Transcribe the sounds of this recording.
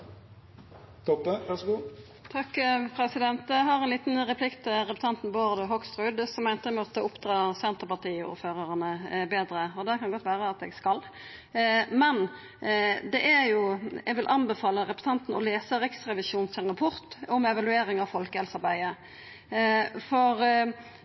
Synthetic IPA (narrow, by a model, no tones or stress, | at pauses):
t̪ʰɔpːəʋæsɡuː | t̪ʰɑkːpʰɾɛsɪd̪ɛnt̪ɛɦɑɾɛnliːt̪n̩ʁɛpʰlɪkt̪ʰɪlʁɛpʉ̥t̪ʰɑnt̪n̩boːd̪əɦɔkst̪ʁʉːd̪sɔmːæɪnt̪əmɔt̪ːəʊpd̪ʁɑːsɛnt̪əʁpɑʁt̪iːṵːɾføːʁəʁənəbeːd̪ɾəɔd̪ɛkʰɑnɡɔt̪ːʋæːʁəɑt̪ɛɡskɑl | mɛn | d̪ɛʔæɾjʊɛɡʋɪlʔɑnbɛfɑːləɾɛpə̥sʰɑnt̪n̩ɔleːsəʁɪksʁɛʋɪʃuːnsʰɪlʁɑpʰɔɾt̪ɔmɛʋɑlʉeːɾɪŋɑʋfɔlkəɛlsɑɾbæɪə | fɔʁ